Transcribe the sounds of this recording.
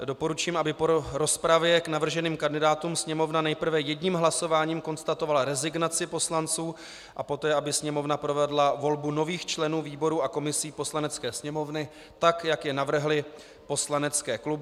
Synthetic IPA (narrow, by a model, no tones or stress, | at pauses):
do̞po̞ɾut͡ʃiːmʔabɪpoɾo̞spɾavjɛknavr̩ʒɛniːmkandɪdaːt̪umsɲɛmo̞vnanɛjpr̩vɛjɛdɲiːmɦlaso̞vaːɲiːmko̞nst̪at̪o̞valaɾɛzɪɡnat͡sɪpo̞slant͡suː | ʔapo̞t̪ɛːʔabɪsɲɛmo̞vnapɾo̞vɛdlavo̞lbuno̞viːxt͡ʃlɛnuːviːbo̞ɾuːakomɪsiːpo̞slanɛt͡skɛːsɲɛmo̞vnɪ | t̪akjakjɛnavr̩ɦlɪ | po̞slanɛt͡skɛːklubɪ